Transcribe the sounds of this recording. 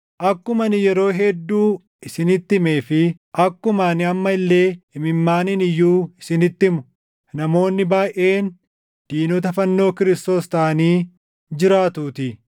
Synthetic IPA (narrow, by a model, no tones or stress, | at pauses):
ʔɐkːʊmɐnɪjɛɾo̞ːɦɛd̪ːuː | ɪsɪnɪt̪ːɪme̞ːfɪ | ʔɐkːʊmaːnɪɐmːɐɪlːe̞ːɪmɪmːaːnɪnɪjːuːɪsɪnɪt̪ːɪmʊ | nɐmo̞ːnːɪbaːjʔe̞ːn | d̪̥iːnoːt̪ɐfɐnːo̞ːkɪɾɪst̪o̞ːst̪ɐːɐniː | d͡ʒɪɾaːt̪uːt̪ɪ